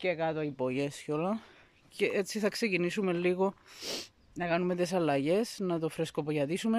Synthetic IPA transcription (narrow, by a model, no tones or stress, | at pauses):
ce̞kɐt̪oipo̞ʝe̞sco̞lɐ | ceʔet͡sːiθɐkse̞cinisume̞lːiɣo̞ | nɐkɐnumet̪es̬ɐlːɐʝe̞snɐt̪o̞fɾe̞skopoʝɐt̪isume